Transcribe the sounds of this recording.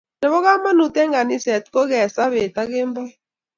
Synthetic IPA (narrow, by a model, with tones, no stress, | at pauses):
dɛ˨βɔ˦ɣa˦ma˦nu˨tɛ˦ŋɡa˨ni˦sɛ˨t̚ko˦ɡɛ˨sa˦βe˨ta˦ɡɪ˦mbɔ˦